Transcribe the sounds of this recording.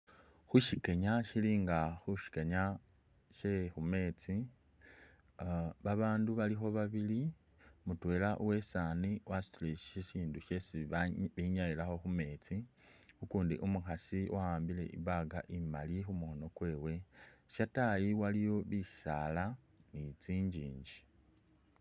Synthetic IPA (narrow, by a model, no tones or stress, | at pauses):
xuʃike̞ɲaʃiliːŋɡaxuʃi̥keɲa | ʃexume̞t͡si | βaβaːnduβalixo̞βaβili | mutwe̞ːlaʔuwe̞saːniwʔastliʃisiːnduʃe̞siβiɲajilaxo̞xume̞ːt͡sixukuːndḭʔumuxasiwʔawaːmbile̞̰ʔḭβaɡaʔimalixumuxono̞kwe̞ːwe̞ʃatajiwalijo̞βisala | nit͡siːɲɟiːɲɟi̥